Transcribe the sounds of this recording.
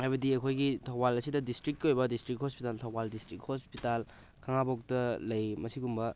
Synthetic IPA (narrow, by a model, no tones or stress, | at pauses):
ajbɐdiɐkʰojɡitʰɐwbalɐsidɐdistɾik̚ːiojbɐdistɾik̚hospitaltʰɐwbaldistɾik̚hospital | kʰaŋabok̚tɐlɐjmɐsiɡumbɐ